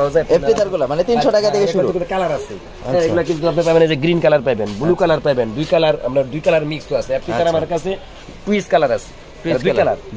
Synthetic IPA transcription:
aozaepʈit̪aɾɡulamanet̪inʃɔɖakat̪ʰekeʃuɾuukubekalaɾasʰḛ | ɛ̃eɡulakiut̪uapnepajbenazeɡɾinkalaɾpajbenbulukalaɾpajbend̪ujkalaɾa̰mɾaɾd̪ujkalaɾmikst̪oasʰeep̚ʈit̪aɾamaɾkat͡sʰe | ʈuiskalaɾasʰe̥ | d̪uikala̰ɾ

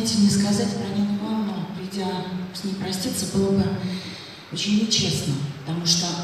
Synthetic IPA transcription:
tʲɪlʲnʲəskɐzatʲpɾɐnʲimvanəpɾʲɪdʲasʲnʲempɾɐsʲt̪ʲit̪səbɨlˠəbɨ | ot͡ɕɪnʲt͡ɕe̞snəpət̪ɐmuʂt̪o

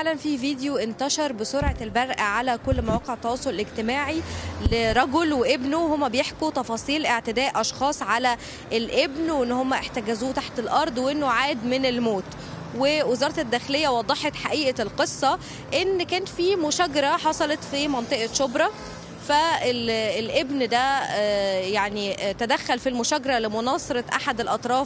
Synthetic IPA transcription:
aʕlænfiːviːd̪ejoʔent̪æʃɑɾˤbesoɾʕɑlbæɾˤʔæʕalækolːmæwæːqeʕt̪ɑwɑːsˤoleleɡt̪emaːʕileɾˤɑɡolweʔebnohomːæbejeħkut̪ɑfɑːsˤiːlʔeʕt̪ɪd̪æːʔʔɑʃxɑːsˤʕalæ | ʔelʔebnwʔenːhomːæʔeħt̪æɡæzuːt̪aħt̪elʔɑɾˤd̪ˤweʔenːoʕaːd̪menelmoːt̪ | wewezɑːɾˤɑt̪ed̪ːæːxelejːæwɑd̪ˤːɑħet̪ħaʔiːʔælqesˤːɑ | ʔenːkæːnt̪fiːmʊʃæɡɑɾæħɑsˤɑlɑt̪fimɑnt̪ˤeʔɑʃobɾˤɑ | fæelelʔebnd̪æ | jaʕnit̪æd̪æxːælfilmoʃæɡɑɾˤɑlemonɑːsˤeɾˤɑʔa̰ħad̪elʔɑt̪ˤɾˤɑːf

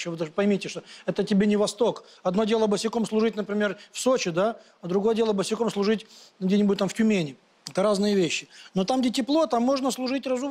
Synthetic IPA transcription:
ovɨd̪ɐʐpɐjmʲitʲɪʂt̪oɛt̪ətʲɪbʲenʲɪvɐst̪o̞k | ɐd̪no̞dʲelˠəbəsʲɪko̞mslˠʊʐɨtʲnəpɾʲɪmʲe̞rfsot͡ɕɪd̪a | ɐd̪ɾʊɡo̞jədʲelˠəbəsʲɪko̞mslˠʊʐɨtʲɡdʲenʲɪbut̚ʲt̪amftʲʊmʲenʲɪ | ɛt̪əɾaznɨjəvʲeɕːɪno̞t̪amɡdʲetʲɪplˠo̞t̪amːo̞ʐnəslˠʊʐɨtʲrɐzu

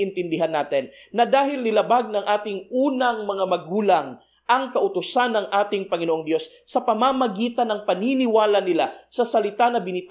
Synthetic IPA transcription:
ʔɪnt̪ɪnd̪ɪɦanːaːt̪ɛnːɐd̪aːɦɪlnɪlɐbaɡ̚nɐŋʔaːt̪ɪŋʔuːnɐŋmɐŋamɐɡuːlaŋ | ʔɐŋkɐʔʊt̪ʊsanːɐŋʔaːt̪ɪŋpɐŋɪnooŋd̪jo̞sːɐpɐmamɐɡiːt̪ɐnːɐŋpɐninɪwaːlɐnɪlasɐsɐlɪt̪anɐbɪnɪt̪

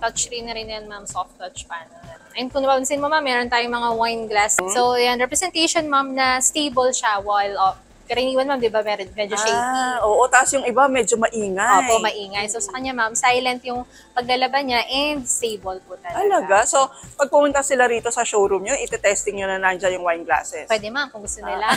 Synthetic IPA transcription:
t̪ɐt͡ʃɾɪnːɐɾɪnːjɐŋmamsoft̪̚ːɐt͡ʃpanɐɐnʔnkʊnɐpaʊnsɪnmomamːɛːɾont̪aːjʊŋmɐŋawajnɡlassojanɾɛpɾɛsɛnt̪ejʃonmamnɐst̪ejbolʃawajlof | kɐɾɐɪniːwɐnmamd̪ɪbamɛɾonmɛd͡ʒoʃejkioːʔot̪asjʊŋɪbamɛd͡ʒomɐʔiːŋɐoːpomɐʔiːŋɐjsosɐkɐɲɲamamsajlɐnt̪jʊŋ | pɐɡ̚lɐlɐbaɲaʔɛnd̪̚st̪ejbolpʊt̪ɐlɐlɐɡaso̞pɐɡ̚pʊmʊnt̪asɪlaɾiːt̪o̞sɐʃowɾumɲoʔɪt̪ɛt̪ɛst̪ɪŋɲonɐnand͡ʒajʊŋwajnɡla̰sɛspwɛd̪ɛmamkʊŋɡʊst̪onɪla

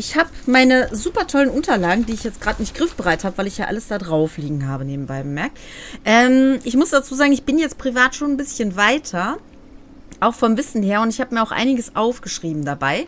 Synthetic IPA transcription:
ʔɪçhaːpmaɪnəzuːpɐtʰɔlənʔʊntɐlaːɡŋ̩diːɪçjɛt͡stɡ̥ʁaːtnɪçtɡ̥ʁɪfb̥əʁaɪthaːbəvaɪlɪçjaːʔa̰ləsd̥aːdʁaʊfliːɡŋ̩haːbəneːb̚m̩baɪbəmɛɐk̚tʔɛːmʔɪçmʊsd̥at͡suːzaːɡŋ̩ɪçb̥ɪnjɛt͡st̚pʁ̥ivaːtʃoːnnbɪsçənvaɪtʰɐ | ʔaʊxfɔmvɪsn̩heːɐʊntɪçhaːbəmiːɐaʊxʔa̰ɪnɪɡəsʔaʊfɡ̥əʃʁ̥iːbm̩dabaɪ

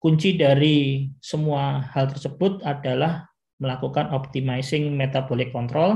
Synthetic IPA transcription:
kuɲt͡ʃidaɾisəmuahalt̪ərsəb̥ʊt̪̚adalah | məlakukanɔp̚t̪imaisɪŋmet̪abolɪkːɔnt̪ɾɔl

